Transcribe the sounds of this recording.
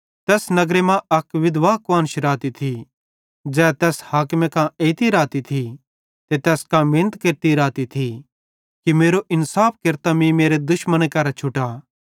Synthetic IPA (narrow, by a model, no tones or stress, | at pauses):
t̪ɛːsnɐɡɾemãʔɐkʋɪd̪ʋaːkʋaːnʃɪɾaːt̪it̪ʰi | d͡ʒɛːt̪ɛːshaːkmẽkãeːɪt̪iɾaːt̪it̪ʰi | t̪et̪ɛːskãmẽːnət̪keɾt̪iɾaːt̪it̪ʰi | kimeːɾoʔɪnsaːp̚ʰkɪɾt̪amĩmeːɾed̪ʊʃmənekɐɾat͡ʃʰʊʈa